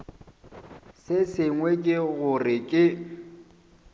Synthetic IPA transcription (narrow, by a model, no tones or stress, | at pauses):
sɪsɪŋwɛkʼɪɣʊrɪkʼɪ